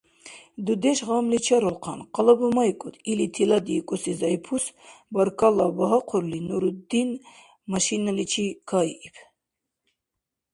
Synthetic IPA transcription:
d̪ud̪ɛʃʁamlit͡ʃʰaɾɔlqʰɑnqʼɑlabumajkʼut̪ʰilit̪ʰilad̪iːkʼɔsizajpʰusbaɾkʰʼalabaɦaqʰɔɾlinuɾud̪in | maʃinalit͡ʃʰikʰaiːpʰ

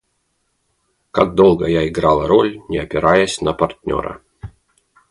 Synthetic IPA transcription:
kaɡ̚d̪o̞lˠɡəjaɪɡɾalˠəɾolʲnʲɪɐpʲɪɾajəsʲnəpɐrtʲnʲo̰ɾə̰

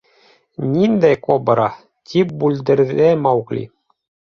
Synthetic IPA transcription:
nʲind̪æjkobɤɾɑ | t̪ʲʰip̚bʉld̪ɘ̆ɾðæmɑwklʲḭ

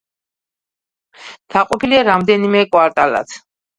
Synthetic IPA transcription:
t̪ʰaqʼɔpʰiliaɾamd̪ɛnimɛkʼwaɾt̪ʼala̰t̪ʰ

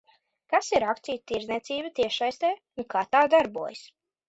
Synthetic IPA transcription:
kasiɾakt̪siːjt̪iɾzniɛt̪siːbət̪iɛʃajst̪ɛː | unkaːt̪aːd̪aɾbuɔjs

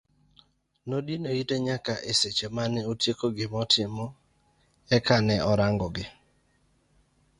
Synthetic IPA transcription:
nodinoiteɲakaʔeset͡ʃemanɛotjekoɡɪmɔtʰɪmɔ | ɛkanɛʔɔɾaŋɡɔɡɪ

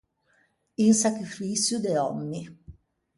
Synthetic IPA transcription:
insakɾifisjud̪ɛɔmːi

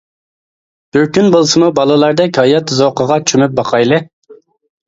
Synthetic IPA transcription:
b̥yɾkʲynbolˠsɨmubɑlˠɨlˠɑɾd̪ɛkʲhɑjɑt̪zoqʰəʁɑt͡ʃʰymyp̚bɑqʰɑjlˠɨ

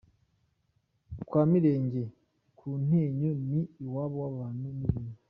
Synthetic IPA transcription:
kwaːmiɾe̞ːɲɟe | kʰun̥heɲoniiwaβowaβaːnumuɾiːnu

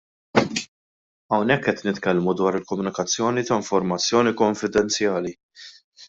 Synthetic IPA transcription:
ɐwnɛkːɛt̪nɪt̪kɛlmud̪wɐːɾɪlkɔmːʊnɪkɐt͡sːjɔːnit̪ɐɪɱfɔɾmɐt͡sːjɔːnikɔɱfɪd̪ɛnt͡sjɐːli

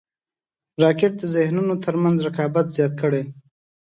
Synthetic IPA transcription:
ɾɑkɪʈ̚d̪əzɪhnunot̪ʰəɾmanzɾakɑbat̪z̥jɑt̪kəɽe

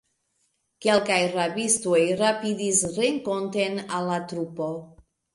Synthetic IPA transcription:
ke̞lkajrabisto̞jɾapidisɾeŋkonte̞nalːatɾupo

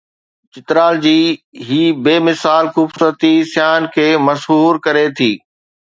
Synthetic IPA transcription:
t͡ɕɪt̪ɾaːld͡ʑiːɦiːbeːmɪsaːlxʊbsʊɾət̪isjaːnkʰeːmɐsɦuːɾkɐɾet̪ʰiː

